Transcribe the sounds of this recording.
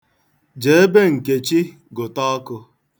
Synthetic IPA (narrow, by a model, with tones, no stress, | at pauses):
d͡ʒe˨e˦be˦ŋ̩˨ke˨t͡ʃi˦ | ɡʊ˨tɔ˦kʊ˧